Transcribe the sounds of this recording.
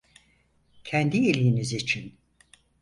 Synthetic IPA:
cʰænd̪ielʲijinizit͡ʃʰin

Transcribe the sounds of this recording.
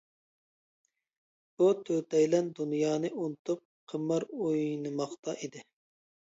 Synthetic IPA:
b̥ut̪ʰøt̪ʰɛjlɛnd̪unjɑːnɨʔunɨt̪ʰup̚qʰəmːɑɾojnɨmɑχt̪ɑʔid̪ɪ

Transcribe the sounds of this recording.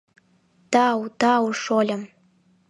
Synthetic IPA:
t̪ɑwt̪ɑwʂolʲə̆m

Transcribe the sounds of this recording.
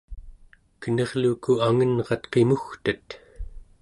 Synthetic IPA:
kənʌʁlukuaŋənʁɑt̪qe̞muxt̪ət̪

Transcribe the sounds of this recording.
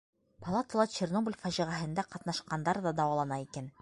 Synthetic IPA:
pɐlˠat̪ə̆lˠɑt͡ɕernoblʲfæʑiʁæɦɘ̆nd̪æqɑt̪nɑʃqɑnd̪ɑɾðɑd̪ɑwɑlˠɑnɑikæn

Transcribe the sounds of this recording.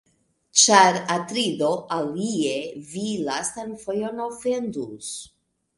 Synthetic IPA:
t͡ʃaɾatɾid̪o̞ʔalievilastanfojonawfendus

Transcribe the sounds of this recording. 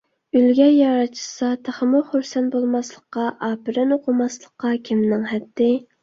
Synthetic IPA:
ylɡʲɛjɑɾɑt͡ʃʰi̥sɑt̪ʰæχəmʊχuɾsɛnbolˠmɑslˠəqːɑʔɑːpɪɾɛnoqʰʊmɑslˠəqːɑkʲʰimnɪŋɦɛt̪ʰːɪ

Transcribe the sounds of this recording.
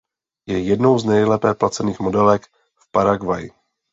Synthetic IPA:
jɛjɛdno̞wznɛjlɛpɛːplat͡sɛniːxmo̞dɛlɛk | fpaɾaɡvajɪ

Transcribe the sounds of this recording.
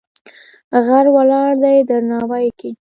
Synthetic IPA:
ɣaɾwalɑɽd̪ajd̪əɾnɑwajke

